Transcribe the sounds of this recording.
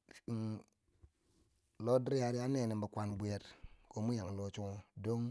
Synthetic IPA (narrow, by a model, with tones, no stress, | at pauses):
lo˦dɾja˨ɾi˦a˦ne˨ne˨mba˨kʷa˨nbu˨e˨tko˨mu˦ja˨ŋ˨lo˨t͡ʃu˦do˦ŋ